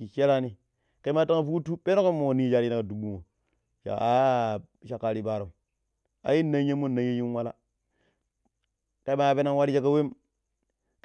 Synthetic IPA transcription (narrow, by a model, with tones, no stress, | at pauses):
i˨ʃe˦ɾa˦ni˨ | ka˨i˦ma˦ta˦ŋa˨fu˦ku˦tu˦pe˦no˦ko˦mo˨ni˦d͡ʒa˨ɾna˨ka˨du˨bu˦˨ŋo˨ | ʃa̰˨a˨ | ʃa˨kːa˨ɾi˦˨ba˨ɾo˨ | a̰˨ji˦nːa˦je˦mːo˦na˨˦je˦ji˦nwa˦la̰˦ | ka˨i˦ma˦˨pe˦na˦ŋ˦wa˦ɾi˦d͡ʒa˦ka˦we˦m